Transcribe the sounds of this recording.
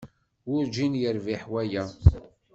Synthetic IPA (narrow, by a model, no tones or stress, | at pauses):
ʊɾd͡ʒinjəɾviħwæjæ